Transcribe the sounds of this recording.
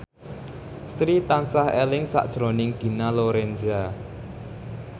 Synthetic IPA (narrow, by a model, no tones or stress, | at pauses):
st̪ɾit̪ansahelɪŋsa̰ʔd̥ʒ̥ɾo̤nɪŋɡ̥i̤naloɾɛnza